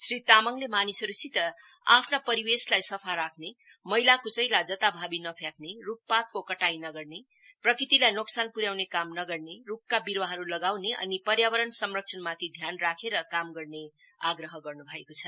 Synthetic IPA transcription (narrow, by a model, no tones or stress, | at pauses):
srit̪amʌŋlemanisɦʌɾusit̪ʌ | apʰnapʌɾiweslajsʌpʰaɾakʰne | mʌilakot͡sʌjlad͡zʌt̪abʱabinʌpʰjak̚neruk̚pat̪̚kokʌʈajnʌɡʌrne | prʌkrit̪ilajnoksanpuɾjawnekamnʌɡʌrnerukːabiɾwaɦʌɾulʌɡawneʔʌ̰nipʌɾjawʌɾʌnsʌmrʌk̚sʰʌnmat̪ʰid̪ʱjanrakʰeɾʌkamɡʌrne | aɡrʌɦʌɡʌrnubʱʌekot͡sʰʌ